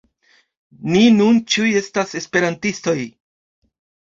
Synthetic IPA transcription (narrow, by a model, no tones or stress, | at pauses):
ninunt͡ʃiuje̞stase̞spe̞ɾantisto̞j